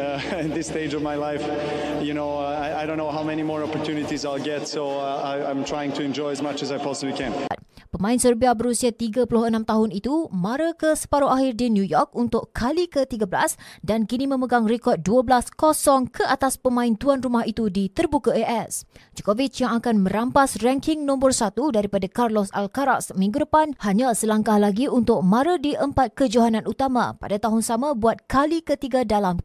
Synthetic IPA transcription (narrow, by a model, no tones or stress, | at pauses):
ɪn̚ðɪsted͡ʒɔvmaɪlaɪf | junoʊ | aɪaɪdõʊ̃nːoʊɦaʊmɛñimɔɹɔpəɹtʰjʉnɪtizaɪlˠɡɛtsoʊaɪãɪ̃mtʰɹ̥aɪɪ̃ŋtʰuɛ̃nd͡ʒɔɪəzmat͡ʃəzaɪpʰɔsəblikʰɛ̃nt̪̚pəmãɪ̃nsərbiabəɾusiat̪iɡəpulʊhənãmt̪aɦʊnit̪umãɾəkəsə̥paɾoʔaɦɪrdinjujɔrkunt̪ʊʔkʰalikət̪iɡəbəla̰sdankinĩmə̃məɡaŋrɛkɔr̚duəblaskosɔŋkʰəʔat̪aspəmãɪnt̪uanrumaɦit̪udit̪ərbukaəʔɛsd͡ʒukovit͡ʃjaŋakanmə̃ɾampasrɛŋkɪŋnɔ̃mbərsat̪udaɾipadakarlɔsa̰lkaɾasmĩŋɡudəpanhaɲãsəlaŋkahlaɡiunt̪ʊk̚mãɾadiʔəmpat̪̚kəd͡ʒuɦananʔut̪amã̰pa̰dat̪aɦʊnsamãbuat̪̚kʰalikət̪iɡadalam